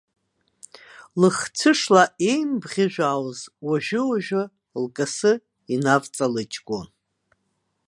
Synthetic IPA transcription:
lɨχt͡sʰɨʂlae̞jnbʁʲɪʒᶣaːwzwaʒᶣɪwaʒᶣʊ | lkʼɨsɨ | inavt͡sʼalɨt͡ʃʼɡʷʼon

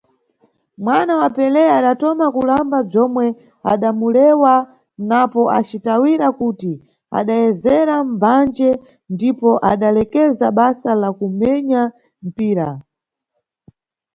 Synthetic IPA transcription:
mwanawapɛlɛaɗatɔmakulambab͡ʐɔmwɛ | a̰ɗamulɛwa | napɔʔa̰t͡ʃitawiɾakuti | a̰ɗajɛzɛɾam̩band͡ʒɛ | ndipɔʔaɗalɛkɛzaɓasalakumɛɲa | m̩piːɾa

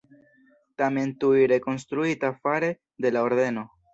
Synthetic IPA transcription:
tame̞ntuiɾe̞ko̞nst̪ɾuitafaɾe̞ | de̞lao̞ɾde̞no̞

